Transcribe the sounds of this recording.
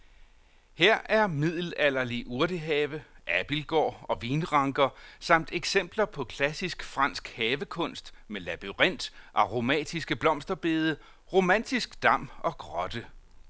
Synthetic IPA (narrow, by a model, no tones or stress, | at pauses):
heɐ̰ʔæɐmið̰ˠl̩ælɐliʔuɐɾ̥əɦɛːʋəʔæb̥ilɡ̥ɒ̰ːɒ̽ʋiːnʁɑ̈ŋɡ̥ɐsɑ̈m̰d̥eɡ̥sem̰b̥lɐpʰɒ̽kʰlæsisɡ̥fʁɑ̈n̰sɡ̥hɛːʋəkʰɔ̽n̰sd̥melæb̥iʁen̰d̥ʔɑ̈ʁo̝mɛ̰ːd̥isɡ̥əb̥lɒ̽m̰sd̥ɐb̥e̝ːð̞ˠə | ʁo̝mæn̰d̥isɡ̥d̥ɑ̈m̰ɒ̽ɡ̥ʁɒ̽d̥ə